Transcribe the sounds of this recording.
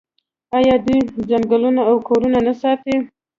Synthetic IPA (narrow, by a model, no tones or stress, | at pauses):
ɑjɑd̪ijd͡ʒaŋɡalunaːwkʰoɾunanasɑt̪e